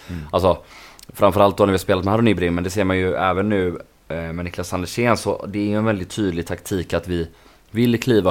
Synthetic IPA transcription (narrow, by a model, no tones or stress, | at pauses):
als̬ɔfɾamfœɾalt̪̚d̪oːnæɾvɪhaspeːlat̪mɛhæːɾnyːbɾɪmːɛnd̪ɛseːɾmanjɵɛːvənːʉ̟ː | mɛnɪkʰlasːand̪əʂeːnsɔ̰d̪ɛæɾjɵɛnvɛld̪ɪt̪ʰːyːd̪lɪɡt̪ʰakt̪ʰiːkat̪vɪ | vɪlːkʰliːva